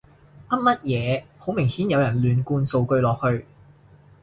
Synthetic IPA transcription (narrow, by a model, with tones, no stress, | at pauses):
ʔɐ˥p̚mɐ˥t̚jɛː˨˧ho˨˥wmɪ˨˩ŋhiː˨˥njɐ˨˧wjɐ˨˩nlyː˨˧nkuː˧nso˧wkɵ˧ɥlɔː˨k̚hɵ˧ɥ